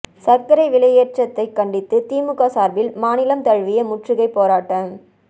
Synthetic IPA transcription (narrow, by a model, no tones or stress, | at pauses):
sɐkːɐɾɐɪʋɪɭɐjeːʈt͡ʃɐt̪ːɐɪkːɐɳɖɪt̪ːɯt̪iːmɯɣaːsaːɾbɪlmaːnɪlɐmt̪ɐɻʋɪjɐmʊʈrɪɣɐɪpːoːɾaːʈːɐm